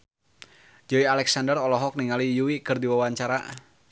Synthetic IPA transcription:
d͡ʒɔialɛksandərɔlɔɦɔk̚niŋalijuwikɨrdiwawaɲt͡ʃaɾa̰

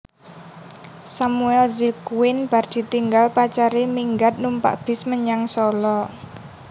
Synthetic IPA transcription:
samuɛlzikuwɪnb̥a̤rd̪̥i̤t̪iŋɡalpat͡ʃaɾemiŋɡat̪̚numpa̰ʔb̥ɪ̤sməɲaŋsɔlɔ

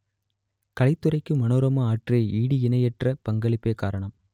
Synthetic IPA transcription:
kɐlɐɪt̪ːɯɾɐɪkːɯmɐnoːɾɐmɐaːʈreːʔiːɽiɪnɐjɛʈrɐpɐŋɡɐɭɪpːeːkaːɾɐɳɐm

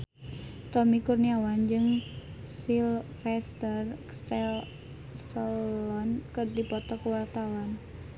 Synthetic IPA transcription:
t̪ɔmikurniawand͡ʒɨŋ | silfɛst̪ərst̪ɛ | st̪əlɔnkərdipɔt̪ɔkəwart̪awan

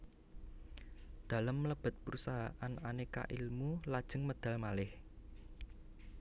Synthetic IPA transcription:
d̪̥a̤ləmːləb̥ə̤t̪̚pɾusaɦaʔananeka̰ʔilmulad̥ʒ̥ə̤ŋməd̪̥ä̤lmalɪh

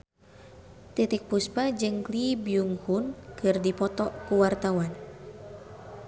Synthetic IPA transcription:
t̪it̪ik̚puspad͡ʒɨŋklibjuŋhunkɨrdipɔt̪ɔkuwart̪awan

